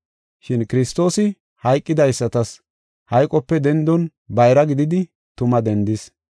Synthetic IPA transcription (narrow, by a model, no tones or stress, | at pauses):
ʃɪnkɪɾɪst̪o̞ːsɪ | hɐjkʼːɪd̪ɐjsːɐt̪ɐs | hɐjkʼːɔpːɛd̪ɛnd̪ɔn | bɐjɾɐɡɪd̪ɪd̪ɪ | t̪ʊmɐd̪ɛnd̪ɪs